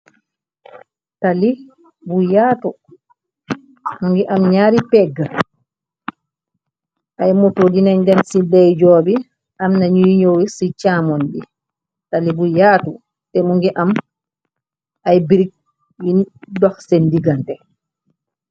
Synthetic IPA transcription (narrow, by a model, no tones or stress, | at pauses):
tali | bujaːtu | muŋɡiʔamɲaːɾipɛɡːa | ʔajmutodinaɲdɛnsidɛjd͡ʒɔbi | ʔamnaɲujɲowisit͡ʃamɔndi | talibujaːtu | tɛmuŋɡiʔam | ajbiɾik̚ | jidɔxsendiɡantɛ